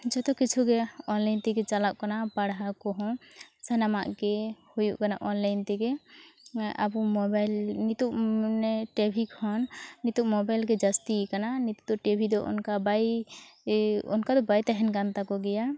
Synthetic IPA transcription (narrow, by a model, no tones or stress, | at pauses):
d͡ʒɔt̪ɔkːit͡ʃʰuɡɛɔnlajnt̪ɛɡɛt͡ʃalaʔ̚kanapaɽɦakɔɦɔ̃sanamaʔkɛhujuʔkana̰ʔɔnlajnt̪ɛkɛ | a̰bumɔbajlnit̪uʔnɛʈɛbʱikɔnːit̪uʔmɔbajlkɛd͡ʒast̪ikananit̪u̥t̪ɔʈɛbʱid̪ɔʔɔ̰nkabaj | ɔ̰nkad̪ɔbajt̪aɦɛnɡant̪akɔɡɛja